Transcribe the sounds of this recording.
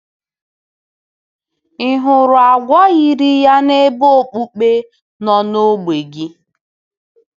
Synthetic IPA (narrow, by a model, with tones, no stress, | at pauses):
i˦ɦʊ˨ɾʊ˨a˨ɡʷɔ˦ɣi˦ɾi˦ja˦ne˦bo˦o˨k͡pu˦k͡pe˦ | nɔ˦no˦ɡ͡be˨ɡi˦